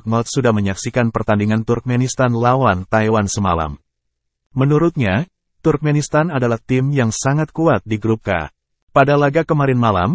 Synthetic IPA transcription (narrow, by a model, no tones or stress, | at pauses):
ŋɔt̪̚sudahməɲaksikanpərt̪andiŋant̪urk̚mɛnist̪anlawant̪ajwansəmala̰m | mənuɾut̪̚ɲa | t̪urk̚mɛnist̪anadalaht̪ɪmjaŋsaŋat̪̚kuat̪̚diɡɾup̚ka̰ | padalaɡakəmaɾɪnmala̰m